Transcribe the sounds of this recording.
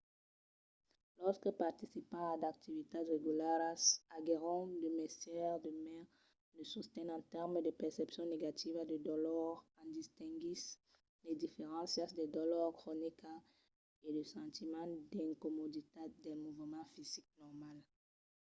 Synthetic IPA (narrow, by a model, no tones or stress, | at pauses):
lɔʁskəpaʁt̪isipɑ̃ad̪ak̚t̪ivit̪edʁeɡylaʁasaɡeʁɔ̃d̪əmɛst̪jɛʁd̪əmɛʁ | nəsust̪ɛ̃nɑ̃t̪ɛʁmd̪əpɛʁsɛpsjɔ̃neɡat̪ʰivad̪əd̪ɔlɔʁkɑ̃d̪ist̪ɛ̃ɡis | led̪ifeʁɑ̃sjɑ̃sd̪ed̪ɔlɔʁkχonika | ed̪əsɑ̃t̪imɑ̃d̪ɛ̃komod̪it̪ed̪ɛmuvəmɑ̃fizik̚nɔʁmal